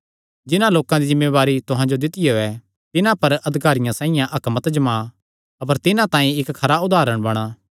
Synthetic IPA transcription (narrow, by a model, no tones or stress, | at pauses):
d͡ʒɪnãloːkãd̪izɪ̃mːeʋaːɾit̪ʊɦãd͡ʒod̪ɪt̪ɪjooɛ | t̪ɪnãpɐɾɐd̪ʱɪkaːɾɪjãsãːɪ̃jãʔɐkmət̪d͡ʒɐma | ɐpəɾt̪ɪnãt̪ãːĩɪkkʰɐɾaʊd̪ʱaːɾəɽ̃bɐɽ̃aː